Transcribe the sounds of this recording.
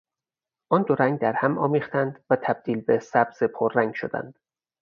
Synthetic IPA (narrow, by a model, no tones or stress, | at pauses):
ʔɒːnd̪oɾæŋɡ̚d̪æɾhæmɒ̰ːmiːχt̪ænd̪væt̪ʰæb̥̚d̪̥iːlbesæbz̥epʰoɾːæŋɡʃod̪æ̰nd̪̥